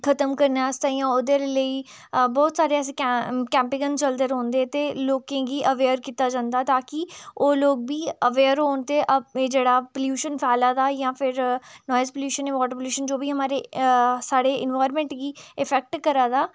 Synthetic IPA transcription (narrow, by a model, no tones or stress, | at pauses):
kʰət̪əmkəɾnaːəst̪aːjãːod̪eləiː | bɔːt̪saːɾeəs̬ikɛ̃ːmpɪɡənt͡ʃəld̪əɾɦõːnd̪eːt̪eːloːkẽːɡiːʔəʋeːəɾkiːt̪aːd͡ʒãːnd̪aːt̪aːkɪoːloːɡ̚biːəʋeːɾɦoːnt̪eːʔəd͡ʒeːɽaːpəljuːʃənpʰɛːlaːd̪aːjãːpʰɪɾnɔːjəzpəljuːʃənẽʋɔːʈəɾpəljuːʃənd͡ʒoːbʱiːɦəmaːɾeːsaːɽeːʔɪ̰nʋaːɪɾmɛ̃ːɳʈɡiːɪpʰɛːk̚ʈkəɾaːd̪aː